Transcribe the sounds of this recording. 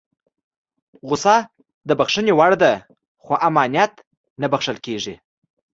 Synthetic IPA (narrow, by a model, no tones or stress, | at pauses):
ɣʊsɑ | d̪əbaxʂənewaɽd̪a | xoʔamɑnijat̪ | nabaxʂəlkeʐi